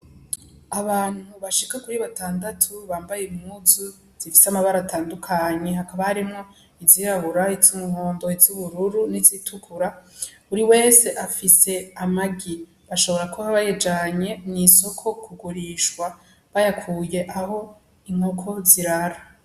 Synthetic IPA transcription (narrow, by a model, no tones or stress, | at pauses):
aβaːn̥huβaʃikakuɾiβataːndatʰuβaːmbajemuzu | z̥ifi̥samaβaɾatʰaːndukʰaɲe̞ɦakaβahaɾimŋo̞ | iziɾahuɾaizumuŋo̞ːndoizuβuɾuɾunizitʰukʰuɾa | uɾiwe̞ːse̞ʔafise̞amaɡi | βaʃo̞βoɾakoβaβajed͡ʒaɲe̞niso̞kʰo̞kʰuɡuɾiʃkwa | βajakʰuːje̞ʔaho̞ | iŋ̥ho̞kʰo̞ziɾaɾa